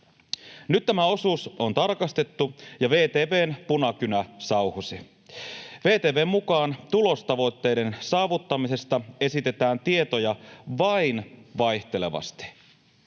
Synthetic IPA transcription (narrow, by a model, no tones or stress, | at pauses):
nyt̪t̪æmæo̞suːsont̪ɑrkɑst̪e̞t̪ːujɑʋe̞ːt̪eːʋe̞ːnpunɑkynæsɑuhusi | ʋe̞ːt̪eːʋe̞ːmmukɑːnt̪ulo̞st̪ɑʋo̞jt̪ːe̞ːjde̞nsɑːʋut̪ːɑmise̞st̪ɑe̞sit̪e̞t̪æːnt̪ie̞t̪o̞jɑʋɑinʋɑjht̪e̞le̞̰ʋɑ̰st̪i̥